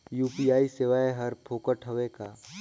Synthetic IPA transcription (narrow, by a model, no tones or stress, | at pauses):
juːpijaːiseːʋaːeɦɐɾpʰoːkəʈʰəʋekaː